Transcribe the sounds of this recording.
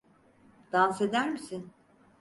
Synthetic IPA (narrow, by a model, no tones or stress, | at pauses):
d̪̥anse̞d̪æɾmisin